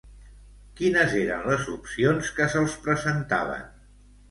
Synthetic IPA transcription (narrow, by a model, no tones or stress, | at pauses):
kinəzeɾə̰nləzupsionskəsəlˠspɾəzənt̪a̰β̞ə̰n